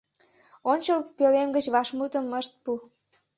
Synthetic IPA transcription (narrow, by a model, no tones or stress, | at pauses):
onʲt͡ɕəlpølemɡət͡ɕβɑʃmut̪əməʃt̪̚pu